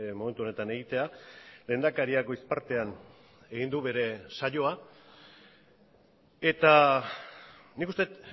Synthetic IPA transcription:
mo̞me̞nt̪uo̞ne̞t̪ane̞ɣit̪e̞ale̞ːnd̪akaɾiako̞ispaɾt̪e̞an | e̞ɣind̪uβe̞ɾe̞saʎo̞a | e̞t̪a | nikust̪e̞t̪

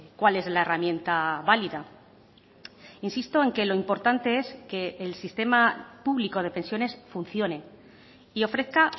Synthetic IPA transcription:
kwale̞zlaeramjẽ̞nt̪aβaliða | insist̪o̞e̞ŋke̞lo̞impo̞ɾt̪ant̪e̞e̞ske̞ːlsist̪e̞mapuβliko̞ð̞e̞pe̞nsjo̞ne̞sfunθjo̞ne̞ | io̞fɾe̞θka

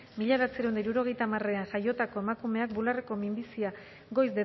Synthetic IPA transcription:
miʎaɾat͡seɾewnd̪ejɾuɾo̞ɣ̞e̞jt̪amare̞aŋʝajo̞t̪akoe̞makume̞ak̚bulareko̞mimbisia | ɡo̞jzd̪e

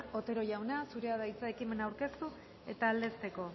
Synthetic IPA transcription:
o̞t̪e̞ɾo̞ʝawnasuɾe̞aðajit͡sae̞kime̞nawɾke̞st̪u | e̞̰t̪aːld̪e̞st̪eko̞

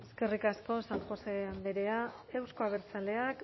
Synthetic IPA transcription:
eske̞rikasko̞saŋxo̞seand̪eɾe̞ae̞wsko̞aβ̞eɾt͡sale̞ak

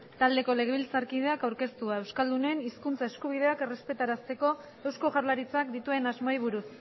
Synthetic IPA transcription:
t̪ald̪e̞ko̞le̞ɣeβilsaɾkið̞e̞akawɾke̞st̪uae̞wskald̪une̞ːniskunt͡saeskuβ̞ið̞e̞ake̞re̞spe̞t̪aɾast̪e̞ko̞ | e̞wsko̞ʝaɾlaɾit͡sak̚d̪it̪ue̞nazmojβ̞uɾus

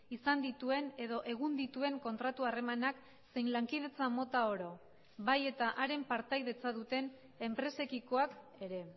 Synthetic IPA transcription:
isand̪it̪ue̞ne̞ðo̞ʔe̞ɣ̞und̪it̪ue̞ŋko̞nt̪ɾat̪uare̞manak | se̞jnlaŋkið̞e̞t͡samo̞t̪ao̞ɾo̞ | βaje̞t̪aʔaɾe̞mpaɾt̪ajðe̞t͡saðut̪e̞n | e̞mpɾe̞se̞kiko̞ak | e̞ɾe̞

